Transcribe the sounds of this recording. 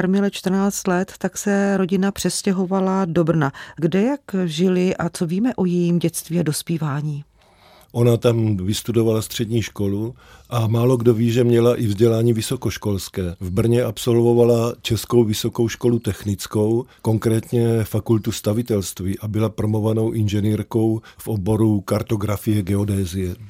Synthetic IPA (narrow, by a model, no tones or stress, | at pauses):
aɾmɪlɛt͡ʃt̪r̩naːt͡st̪lɛt̪ːaksɛɾo̞ɟɪnapr̝̥ɛscɛɦo̞valado̞br̩naɡdɛjakʒɪlɪʔat͡soviːmɛʔo̞jɛjiːmɟɛt͡st̪viːado̞spiːvaːɲiː | ʔo̞nat̪amvɪst̪udovalast̪r̝̥ɛdɲiːʃko̞lu | ʔamaːlo̞ɡdo̞viːʒɛmɲɛlaʔɪvzɟɛlaːɲiːvɪso̞ko̞ʃkolskɛːvbr̩ɲɛʔapso̞lvo̞valat͡ʃɛsko̞wvɪso̞ko̞wʃko̞lut̪ɛxnɪt͡sko̞wkoŋkɾɛːt̪ɲɛfakult̪ust̪avɪt̪ɛlst̪viʔabɪlapɾomovano̞wʔɪnʒɛniːɾko̞wfʔobo̞ɾukaɾt̪o̞ɡɾafijɛɡɛodɛːzɪjɛ